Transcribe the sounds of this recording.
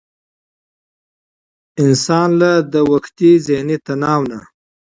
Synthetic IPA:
ɪnsɑnlad̪əwaxt̪izehnit̪anɑwna

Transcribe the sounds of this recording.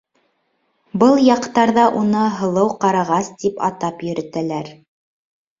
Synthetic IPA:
bɤlˠjɑqt̪ɑɾðɑʔunɤɦɤ̆lˠɤwqɑɾɑʁɑst̪ipɑ̰t̪ɑpjɵ̆ɾɘ̆t̪ælæɾ

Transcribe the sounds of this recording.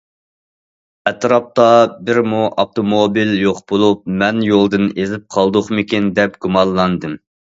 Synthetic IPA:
ɛt̪ɾɑp̚t̪ɑbɪɾmuʔɑp̚t̪ʰomobiljoqbolˠup̚mɛnjolˠd̪ɨnezɪp̚qʰɑlˠd̪ʊχmɪkʲind̪ɛp̚ɡ̥umɑlːˠɑnd̪ɨm

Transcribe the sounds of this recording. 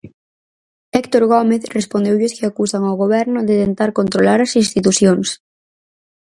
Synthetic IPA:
ɛkt̪oɾɣomeθrespond̪ewʎeskɪakusaŋawɣ̞oβ̞ɛɾnʊðet̪ent̪aɾkont̪ɾolaɾasinst̪it̪uθjoŋs

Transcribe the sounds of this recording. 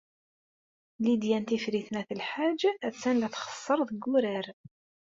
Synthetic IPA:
lid̪jænt̪ifɾiθnæθəlħad͡ʒæt͡sːænlæθχə̥sˤːəɾˤðəɡːuɾæɾ

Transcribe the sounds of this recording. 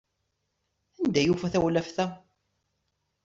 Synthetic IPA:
ænd̪æjufæθæwlæfθæ

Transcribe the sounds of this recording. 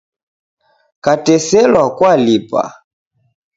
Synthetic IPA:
katɛsɛlwakwalipa̰

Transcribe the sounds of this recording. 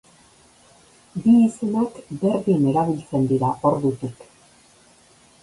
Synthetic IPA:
biːsenekbe̞ɾðiene̞ɾaβilt͡se̞nd̪iɾaʔo̞ɾðut̪ik

